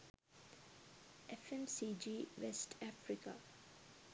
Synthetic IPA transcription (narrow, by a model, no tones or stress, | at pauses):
efemsiːd͡ʒiːʋesʈʰæfɾika̰